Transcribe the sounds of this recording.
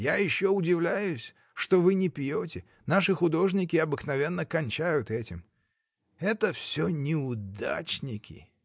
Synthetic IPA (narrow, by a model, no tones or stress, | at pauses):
jajɪɕːoʊdʲɪvlʲæjʊsʲ | ʂt̪ovɨnʲɪpʲjotʲɪ | naʂɨxʊd̪o̞ʐnʲɪkʲɪɐbɨknɐvʲenːəkɐnʲt͡ɕajʊt̪ɛtʲɪm | ɛt̪əfsʲonʲɪʊd̪a̰t͡ɕnʲɪkʲɪ̰